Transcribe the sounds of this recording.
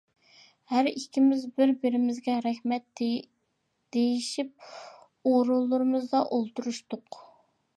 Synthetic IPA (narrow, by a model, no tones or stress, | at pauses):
hæɾikʲʰimɪzbɪɾbɪɾɪmɪzɡʲɛɾɛχmɛt̪ | d̪̥ejiʃip̚ | oɾulˠːʊɾɨmɨzd̪ɑʔolˠt̪uɾuʃt̪ʊq